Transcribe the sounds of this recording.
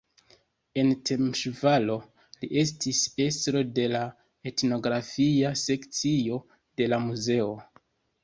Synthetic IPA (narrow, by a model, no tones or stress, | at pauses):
e̞nte̞mʃvalo̞ | liʔe̞s̬tise̞stɾo̞de̞la | e̞tno̞ɡɾafiase̞kt͡sio̞ | d̥e̞lamuze̞o̞